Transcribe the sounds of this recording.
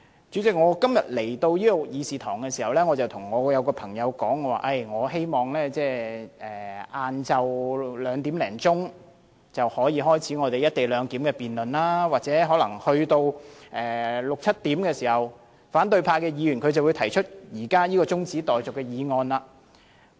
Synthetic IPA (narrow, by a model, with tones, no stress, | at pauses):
t͡ʃyː˨˥t͡sɪ˨k̚ŋɔː˨˧kɐ˥mjɐ˨t̚le˨˩jt̪o˧wjiː˥ɔ˧jiː˨˧siː˨t̪ʰɔː˨˩ŋkɛ˧siː˨˩hɐ˨˩wlɛː˥ŋɔː˨˧t͡sɐ˨˩wt̪ʰʊ˨˩ŋːɔː˨˧jɐ˨˧wkɔː˧pʰɐ˨˩ŋjɐ˨˧wkɔː˨˥ŋɔː˨˧wa̰ː˨˩ʔɐ˧˩jŋɔː˨˧ɦe˥jmɔː˨˩ŋlɛː˥t͡sɛː˥˩ʔɛː˨˩ʔaː˧nt͡sɐ˨wlœː˨˧ŋt̪iː˨˥mlɛ̰ː˨˩ŋt͡sʊ˥ŋ | t͡sɐ˨whɔː˨˥jiː˧ɦɔː˥jt͡sʰiː˨˥ŋɔː˨˧t̪e˨jɐ˥t̚t̪e˨jlœː˨˧ŋt̪iː˨˥mkɛː˧piː˨nlɵ˨nlaː˥waː˨t̚t͡sɛː˨˥ɦɔː˨˥lɐ̰˨˩ŋhɵ˧ɥt̪o˧wʔɛː˨lʊ˨k̚t͡sʰɐ˥t̚t̪iː˨˥mkɛː˧siː˨˩hɐ˨˩w | faː˨˥nt̪ɵ˧ɥpʰaː˧kɛː˧jiː˨˧ɥy˨˩nkʰɵ˨˧ɥt͡sɐ˨wu˨˧jt̪ʰɐ˨˩jt͡ʃʰɵ˥t̚jiː˨˩kaː˥jiː˥kɔː˧t͡sʊ˥ŋt͡siː˨˥t̪ɔː˨jt͡sʊ˨kːɛ˧jiː˨˧ŋɔː˧nlaː˧